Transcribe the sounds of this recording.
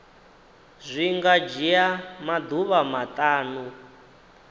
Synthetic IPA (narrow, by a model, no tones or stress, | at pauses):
zʷiŋɡad͡ʒijamad̪uβamat̪ʼaːnu